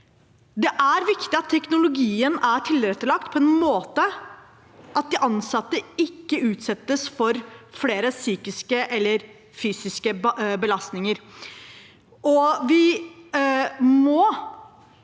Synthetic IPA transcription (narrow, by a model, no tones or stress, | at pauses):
d̪ɛʔæɾʋɪkt̪ɪɑt̪ʰːɛknʊlʊɡiːənæʈʰɪlɾɛt̪ːəɭɑk̚t̪pʰɔɛnmoːt̪ə | ɑt̪̚d̪ɪʔɑnsɑt̪ːəɪkːəʉːt̪sɛt̪ːəsfɔɾfleːɾəsyːkɪskəʔɛlːəɾ | fyːsɪskəbəlɑst̪nɪŋəɾ | ɔʋɪ | mɔ